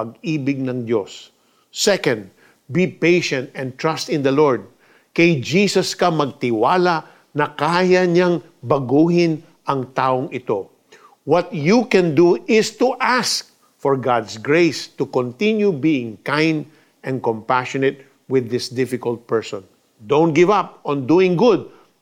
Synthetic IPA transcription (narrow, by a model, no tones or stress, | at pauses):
ɐɡiːbɪɡ̚nɐŋd̪osː | ɛkɐ̃nd̪̚ | bipejʃɛ̃nt̪ɛ̃nt̪ɹast̪ɪ̃nd̪ɐlɔɹd̪̚ | kɐjd͡ʒiːsɐskɐmɐɡ̚t̪ɪwaːlaʔ | nɐkaːjɐɲaŋ | bɐɡuːɦɪ̃n | ʔɐŋt̪aːʔoŋɪt̪o̞ | wɔt̪̚jukɛ̃nd̪uʔɪst̪uʔask̚ | fɔɹɡad̪sɡɹejst̪ʊkɔ̃nt̪ɪ̃njubiɪ̃ŋkãjnd̪ | ʔɛ̃nkɔ̃mpaʃɔnɛt̪̚ | wɪðːɪsd̪ɪfɪkɐlt̪̚pɛɹsɔ̃n | d̪õw̃nt̪̚ɡɪvap̚ɔ̃nd̪uɪ̃ŋɡʊd̪̚